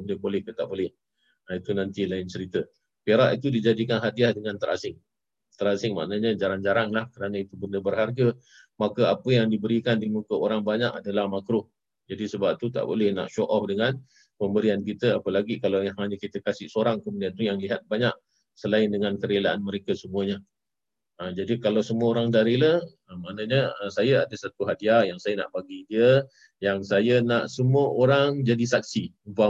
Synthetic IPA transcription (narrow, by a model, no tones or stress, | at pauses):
ədəbolɛhkət̪a̰ʔbolɛh | ait̪unãnt̪ilaɪnt͡ʃəɾit̪ə | peɾaʔit̪udid͡ʒadikanɦadiahdəŋãnt̪əɾʔa̰sɪŋ | t̪əɾasɪŋma̰ʔnəɲəd͡ʒaɾaŋd͡ʒaɾaŋlahkəɾanə̃it̪ubəndəbərɦarɡə | makəapəjaŋdibəɾikandimukəoɾaŋbaɲaʔa̰dalahmakɾʊh | d͡ʒadisəbap̚t̪ut̪a̰ʔbo̰lɛhna̰ʔʃoʔɔhdəŋan | pəmbəɾiankit̪əapəlaɡikalawahɦaɲəkit̪əkasɪʔsoɾaŋkəmudiant̪ujaŋliɦat̪̚baɲaʔ | səlaɪndəŋankəɾelaʔanməɾekəsəmuəɲə | əd͡ʒadikalawsəmuəoɾaŋdaɾilə | əmanəɲəəsajəadəsat̪uɦadiajaŋsajəna̰ʔbaɡidiə | jaŋsajənaʔsəmuəʔoɾaŋd͡ʒadisak̚siuba